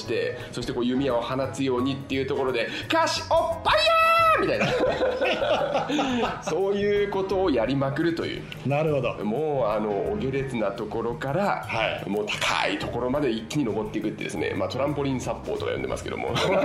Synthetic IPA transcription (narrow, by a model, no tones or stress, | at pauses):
i̥t̪e̞ | so̞ɕi̥t̪eko̞ːjɯ̟mʲiao̞hanasɨjo̞ːɲ̟it̪ːe̞jɯ̟ːt̪o̞ko̞ɾo̞d̪e̞kaɕi̥opːaiamʲit̪aina | so̞ːjɯ̟ːko̞t̪o̞ːjaɾʲimakɯ̟ɾɯ̟t̪o̞̰jɯ̟̰ː | naɾɯ̟hod̪omoːano̞ːɡʲe̞ɾe̞t͡sɨnat̪o̞ko̞ɾo̞kaɾahaimo̞ːt̪ʰḁkʰa̰ḭt̪o̞ko̞ɾo̞mad̪e̞ikʲːiɲ̟ino̞bo̞t̪ːe̞ikɯ̟t̪ːe̞d̪e̞sɨne̞̰mat̪o̞ɾãmpo̞ɾʲĩsapːo̞ːt̪oka̰jõd̪ema̰sɨ̥ke̞d̪o̰mo̰